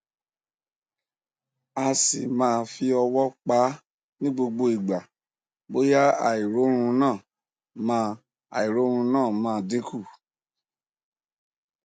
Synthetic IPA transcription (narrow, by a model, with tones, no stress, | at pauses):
a˧sḭ˨mãː˦˧fi˧ɔ˧wɔ˦k͡pa˨˦ | nĩ˦ɡ͡bo˧ɡ͡bo˧i˨ɡ͡ba˨ | bo˨˦ja˦a̰˨i˨ɾo˨˦ɾ̃ũ˧nãː˦˨ | mã˧ | a̰˨i˨ɾo˨˦ɾ̃ũ˧nãː˦˨mãː˦˧dĩ˦ku˦˨